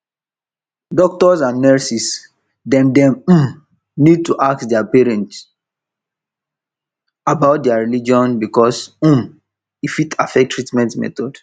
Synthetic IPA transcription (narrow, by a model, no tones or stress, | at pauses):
dɔk̚tɔsãnːɛsis | dɛ̃mdɛ̃m̩m | nid̚tuʔak̚tdɛapɛɹɛ̃nt | abaʊt̚dɛaɹilid͡ʒɔ̃nbikɔs̩m | ifitʰafɛk̚tʰːɹitmɛ̃ntmɛ̰tɔd̥